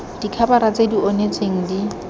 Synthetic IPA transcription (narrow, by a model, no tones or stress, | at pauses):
d̥ikʰabaɾat͡sʼediɔnet͡sʼeŋ̩di